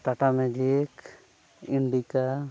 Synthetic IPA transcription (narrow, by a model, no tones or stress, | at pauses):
t̪aʈamɛd͡ʒik | iɳɖika